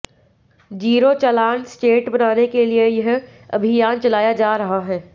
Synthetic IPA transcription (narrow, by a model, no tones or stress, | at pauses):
d͡ʒiːɾot͡ʃɐlaːnsʈeːʈbɐnaːnekeliejɐɦ | ɐ̰bʱɪjaːnt͡ʃɐlaːjad͡ʒaːɾɐɦaɦɛː